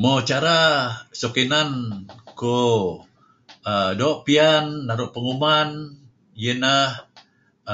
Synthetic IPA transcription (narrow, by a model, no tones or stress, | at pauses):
mot͡ʃaɾasokinanku | ədoʔpianːaɾuʔpəŋuman | jənah